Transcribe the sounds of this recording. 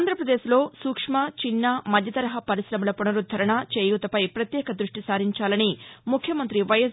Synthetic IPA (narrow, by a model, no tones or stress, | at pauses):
nd̪ʱɾɐpɾɐd̪e̞ːslo̞ːsuːkʂmɐt͡ʃinːaːmɐd̪ʱjɐt̪ɐɾɐɦɐpɐɾisɾɐmulɐpunɐɾud̪ʱɐɾɐɳɐt͡ʃeːjuːt̪ɐpɐjpɾɐt̪jɛːkɐd̪ɾuʂʈisaːɾiɲt͡ʃaːlɐnimukʰjɐmɐnt̪ɾiʋɐjɐs